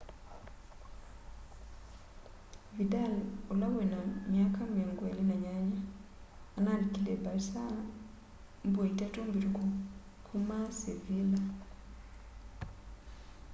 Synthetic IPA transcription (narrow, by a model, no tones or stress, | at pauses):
vidalolawenamiakamiɔŋɡwelinaɲaɲa | analikilebalsa | mbweitatombiɾikɔ | kʰumasevila